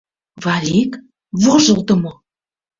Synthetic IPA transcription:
vɑlʲik | voʒɤ̆lˠd̪ə̆mo

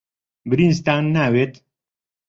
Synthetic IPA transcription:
bɨɾinst̪anːaːweːt̪

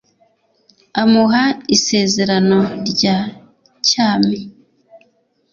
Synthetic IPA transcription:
amuɦaise̞ːze̞ɾano̞ɾɟaː | caːmi

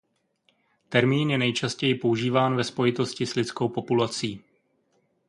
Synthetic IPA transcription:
t̪ɛɾmiːnjɛnɛjt͡ʃascɛjɪpo̞uʒiːvaːnvɛspo̞jɪt̪o̞scɪslɪt͡sko̞wpo̞pulat͡siː

